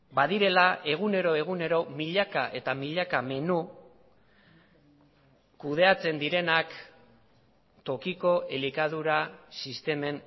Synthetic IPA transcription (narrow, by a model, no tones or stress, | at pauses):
baðiɾe̞laʔe̞ɣ̞une̞ɾo̞e̞ɣ̞une̞ɾo̞miʎakaʔe̞t̪amiʎakame̞nu | kuð̞e̞at͡se̞nd̪iɾe̞nak | t̪o̞kiko̞ʔelikað̞uɾasist̪e̞me̞n